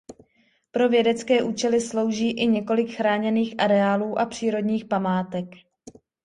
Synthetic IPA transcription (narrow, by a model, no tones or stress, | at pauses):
pɾo̞vjɛdɛt͡skɛːʔuːt͡ʃɛlɪslo̞wʒiːʔɪɲɛko̞lɪkxɾaːɲɛniːxʔaɾɛaːluːʔapr̝̥iːɾo̞dɲiːxpamaːt̪ɛk